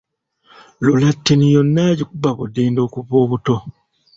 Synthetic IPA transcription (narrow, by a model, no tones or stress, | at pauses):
lolatːenijonːaɟikubaβudeːndo̞ːkuβoːβuto̞